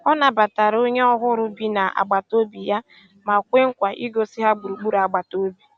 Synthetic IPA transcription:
ɔ˦na˨ba˨ta˨ɾo˦ɲe˦ɔ˦ɦʊ˦ɾʊ˦bi˦na˨ʔa̰˨ɡ͡ba˨to˦bi˨ja˦ | ma˨kʷe˦ŋ̩˦kʷa˨ʔi˦ɡo˨si˦ɦa˦ɡ͡bu˨ɾu˨ɡ͡bu˦ɾa˨ɡ͡ba˨to˦bi˨

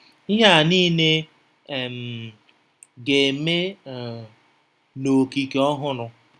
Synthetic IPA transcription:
i˦ɦa˦˨niː˦ne˦˨ | m̩˨ | ɡe˨me˦˨ | no˨ki˨ke˨ɔ˦ɦʊ˦nʊ˨

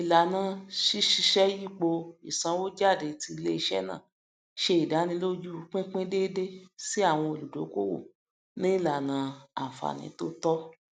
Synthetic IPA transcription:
i˨la˨nã˧ʃi˦ʃi˧ʃɛ˦ji˦˨k͡po˧ḭ˨sã˧wo˦d͡ʒa˦˨de˨ti˧le˦i˧ʃɛ̰˦nã̰˦˨ | ʃe˧i˨da˨˦nĩ˧˦lo˦d͡ʒu˦˧˦k͡pẽ˦k͡pẽ˦de˦de˦si˦a˦˨w̃ɔ̃˧o˧lu˨do˨˦ko̰˦wo̰˦˨ | nĩ˦i˦˨la˨nã˨˦a̰˨fa̰˨nḭ̃˨˦to˦tɔ˦

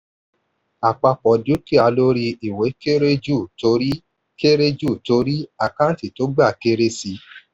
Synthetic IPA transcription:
a˨k͡pa˧k͡pɔ˨du˨˦ki˦a˧lo˦ɾi˧i˨we˨˦ke˦ɾe˦d͡ʒu˦˨to˧˦ɾi˦ | ke˦ɾe˦d͡ʒu˦˨to˧˦ɾi˦a˨kã˦ti˨to˦ɡ͡ba˦˨ke˦ɾe˦si˧

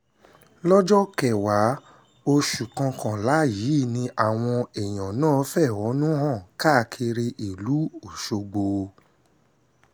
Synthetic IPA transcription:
lɔ˦d͡ʒɔ˦kɛ˨wa˨˦ | o˧ʃu˨kã˧kã˨la˨˦ji˨˦˨nĩ˧ʔa˨w̃ɔ̃˧ɛ˨j̃ɔ̃˨nãː˦˨˦fɛ˦˨wɔ˨˦nũ˦ɦã˦˨ka˦˧˨kʰi˧ɾe˧ʔi˨lu˨˦o˨ʃo˧ɡ͡bo˧

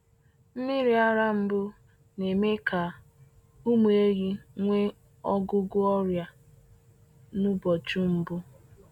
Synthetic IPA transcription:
m̩˦mɪ˦ɾi˨a˦ɾa˦m̩˦bʊ˦ | ne˨me˦ka˨ | u˦mu˨e˦ɣi˦ŋʷe˦ | ɔ˦ɡʊ˦ɡʊ˦ɔ˦ɾja˨ | nʊ˦bɔ˨t͡ʃu˦m̩˨bʊ˦

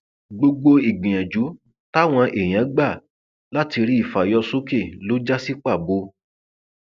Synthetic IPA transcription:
ɡ͡bo˧ɡ͡bo˧i˨ɡ͡bĩ˨j̃ã˨d͡ʒu˨˦ | ta˦˨w̃ɔ̃˧ʔe˨j̃ã˨˦ɡ͡ba˦˨ | la˦ti˧ɾi˦i˦˨fa˨jɔ˧so˦ke˦˨lo˨˦d͡ʒa˦si˦k͡pa˦˨bo˧˦

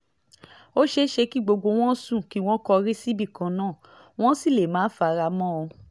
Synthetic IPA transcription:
o˦ʃe˦ʃe˧ki˦˨ɡ͡bo˧ɡ͡bo˧w̃ɔ̃˦sũ˦˨ki˦w̃ɔ̃˦kɔ˧ɾi˦si˦bi˦˨kã˨˦nãː˦˨ | w̃ɔ̃˦si˦˨le˨mãː˨˦fa˧˨˧ɾa˧mɔ̃˦o˧

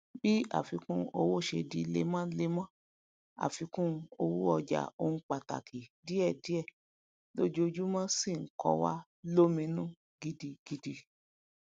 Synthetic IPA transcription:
bi˦a̰˦˨fi˧kũ˦o˧wo˦˨ʃe˧di˧lḛ˨˦mã˦le˦mã˦ | a̰˨fi˧˦kũ˦o˧wu˦ɔ˧d͡ʒa̰˨o˦n̩˦k͡pa˨ta̰˨kʰi˨di˨˦ɛ˦˨di˨˦ɛ˦˨ | lo˦d͡ʒo˧d͡ʒu˦mã˦si˦˨ŋ̩˨kɔ̰˧wa̰˦ | lo˦mĩ˧nũ˦ | ɡi˧di˧ɡ̥i˧di˧

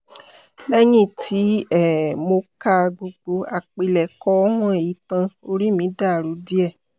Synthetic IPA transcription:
lɛ˦j̃ĩ˦˨tʰi˨˦ɛ˦˨mo˧ka˧ɡ͡bo˧ɡ͡bo˨˦a˨k͡pe˨lɛ˨kɔ˦ɔ˦ɦɔ̃˦e˨ji˨˦tã˧o˧ɾi˦mĩ˨˦da˦˨ɾu˨˦di˦ɛ˦˨

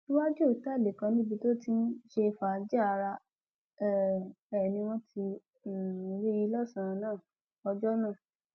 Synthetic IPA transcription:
u˦wa˦d͡ʒo˦˨ta˦˨de˨kã˧nĩ˦bi˧to˦ti˦n̩˦ʃe˧fa˨˧d͡ʒɛ˦a˧ɾa˧ | ɛ˦ | ɛ˨nĩ˧w̃ɔ̃˦tʰĩ˧˨˧ | ɾi˦ji˧˦lɔ˦˨sã˨ɾ̃ã˧nãː˦˨ | ɔ˧d͡ʒɔ˦nã˦˨

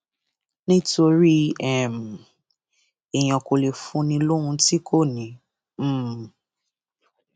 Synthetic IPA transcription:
nĩ˦to˧ɾi˦ɛ˦˨m˨ | e˨j̃ɔ̃˨ko˨le˨fũ˨˦nĩ˧lo˦ɾ̃ũ˧ti˦kʰo˦˨nĩ˨˦

